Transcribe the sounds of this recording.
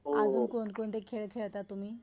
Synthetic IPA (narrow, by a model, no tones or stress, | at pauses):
ad͡zuːnkonkoɳt̪ekʰeɭkʰeɭt̪at̪ːum̤iː